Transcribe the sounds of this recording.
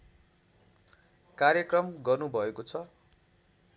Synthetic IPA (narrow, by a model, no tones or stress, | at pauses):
kaɾjʌkrʌmɡʌrnubʱʌekot͡sʰʌ